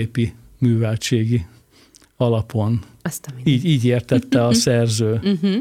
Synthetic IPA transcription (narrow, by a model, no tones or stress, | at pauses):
eːpi | myːvɛlt͡ʃeːɡi | ɒlɒpo̞n | siːɟiːɟeːrt̪ɛt̪ːɛɒsɛrzøː